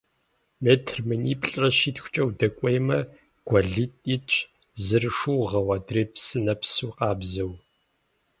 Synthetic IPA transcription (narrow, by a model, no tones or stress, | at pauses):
meːtʰrmɨniːpɬʼɐʃitxʷʊ̥t͡ʃʼɐwdɐkʷʼejmɐ | ɡ̥ʷɐɮɨtʼit͡ʃʼʰ | zɨrʂuwʁɐwɐdreːpsɨnɐpsuːqɑːbzɐw